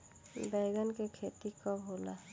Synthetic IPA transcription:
bɛːɡənkekʰeːt̪ikɔbɦoːla̰

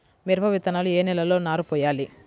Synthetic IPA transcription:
miɾbʱɐʋit̪ɐnaːlueːnɛlɐlo̞ːnaːɾupɔːjaːli

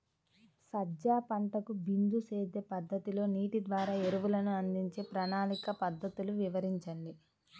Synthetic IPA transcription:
sɐd͡ʒaːpɐɳʈɐkubind̪useːd̪e̞ːpɐd̪ːɐt̪ilo̞ːniːʈid̪ʋaːɾaːeɾuʋulɐnuɐnd̪iɲt͡ʃe̞ːpɾɐnaːnikɐpɐd̪ːɐt̪uluʋiʋɐɾiɲt͡ʃɐɳɖi

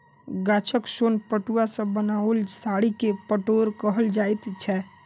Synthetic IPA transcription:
ɡaːt͡ʃʰəksonpəʈuasə̃bənaəlsaɽikepəʈoɾkəɦəld͡ʒaːjt̪t͡ʃʰɛ

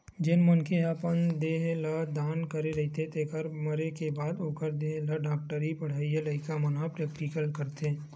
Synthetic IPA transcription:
d͡ʒɪnmənkeɦapənd̪eːɦlad̪aːnkɐɾeɾɐɦit̪ʰet̪eːkəɾmɐɾekebaːd̪oːkəɾd̪eːɦlaɖaːk̚ʈəɾipɐɽ̤aːijelɐɪkamɐnapɾɛːk̚ʈikəlkəɾt̪eː

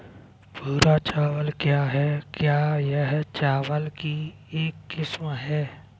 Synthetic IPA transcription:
puːɾat͡ʃaːʋəlkjaːɦɛkjaːjəɦt͡ʃaːʋəlki | eːkːɪsmɦɛː

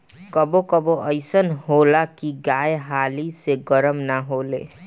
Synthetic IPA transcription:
kəbokəboʔəɪsənɦoːlakiɡaːjɦaːliseɡəɾəmnaɦoːlḛː

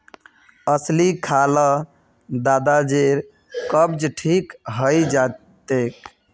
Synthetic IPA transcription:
əslikʰalə | d̪ad̪ad͡ʒeɾ | kəbd͡ʒʈʰikɦəjd͡ʒa | t̪ek

